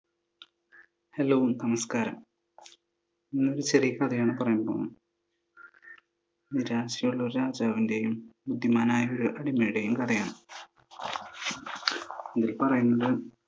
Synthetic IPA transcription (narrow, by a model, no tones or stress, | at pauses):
heloːʋnɐmɐskaːɾɐm | inːo̞ɾut͡ɕerijɐkɐd̪ʰʱɐjaːɳɨpɐrɐjumpoːnːu | id̪iɾaːɕjɐuɭːoɾɾaːd͡ʑaːʋinde̞jumbud̪ʱːjimaːnaːjɐoɾuʔɐɽimɐjiɽe̞jumkɐd̪ʱɐjaːɳɨ | iðilpɐrɐjunːɐðɨ